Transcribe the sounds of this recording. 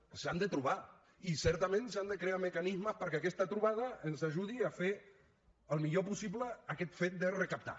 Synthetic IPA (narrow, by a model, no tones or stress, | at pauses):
sand̪ət̪ɾuβa | isɛɾt̪əmẽnsand̪əkɾeaməkanizməspəɾkeakɛst̪ət̪ɾuβað̞əənzaʒuðiafe | əlˠmiʎopusipləakɛt̪fet̪̚d̪ərəkap̚t̪a̰